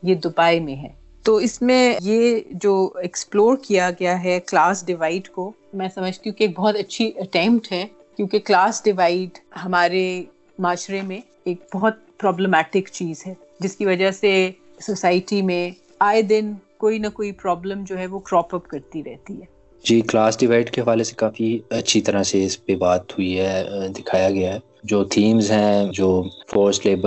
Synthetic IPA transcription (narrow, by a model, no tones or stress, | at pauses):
jed̪ʊbaːimẽɦɛː | t̪oːɪsmẽjed͡ʒoːɛksploːɾkijaɡɐjaɦɛklaːsɖɪʋaːɪɖko | mɛ̃ːsɐməd͡ʒt̪iɦũkieːk̚bɔɦɔt̪ɐtːʃʰiʔɐʈɛ̃ːmpʈɦɛ | kjõːkeklaːsɖɪʋaːɪɖɦɐmaːɾe | maːʃɾemẽ | eːk̚bɔɦʊt̪̚pɾɔːbləmɛːʈɪkt͡ʃiːzɦɛː | d͡ʒɪskiʋɐd͡ʒase | sosaːɪʈimẽ | aːed̪ɪnkoːinɐkoːipɾɔːblə̃md͡ʒoːɦɛʋokɾɔːpɐpkɐɾt̪iɾɛɦt̪iɦɛː | d͡ʒiːklaːsɖɪʋaːɪɖkeɦɐʋaːlese̥kaːfiɐtːʃʰit̪ɐɾaseɪspebaːt̪hʊiɦɛd̪ɪkʰaːjaɡɪjaɦɛː | d͡ʒoːt̪ʰiːmzɦɛ̃ːd͡ʒoːfoːɾsleːbə